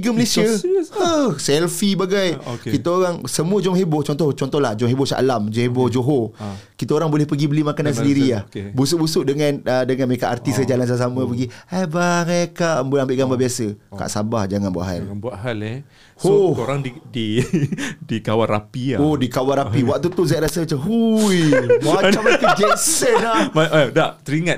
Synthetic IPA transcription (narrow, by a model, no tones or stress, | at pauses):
iɡəməlesiaəsɛlfibaɡajkkit̪aoɾaŋsəmuəd͡ʒɔmɦeboht͡ʃɔnt̪ɔt͡ʃɔnt̪ɔhlahd͡ʒɔmɦebʊsa̰ʔlamd͡ʒɔmhebod͡ʒoɦo | kit̪aoɾaŋbolɛhpəɡibəlimakanansəəndiɾiahbusʊʔ̚busʊʔ̚dəŋanədəŋanməɾekaʔart̪isəd͡ʒalansaas̬aməpəɡiajbaɾakaʔəmbunambɪʔɡambabiasəka̰ʔsabahd͡ʒaŋanbua̰ʔɦa̰lbuaʔɦale | hoooɾaŋdidi | dikawarapiaodikawanɾapiwak̚t̪ut̪uzaɾasət͡ʃəɦujmaat͡ʃamkd͡ʒɛnsənlamadaʔt̪əɾiŋãt